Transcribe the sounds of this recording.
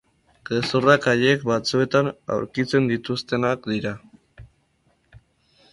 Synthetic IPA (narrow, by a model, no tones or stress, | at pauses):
ɡ̥esorakaʎe̞kbat͡sue̞t̪ana̰wɾkit͡se̞nd̪it̪ust̪e̞nakd̪iɾa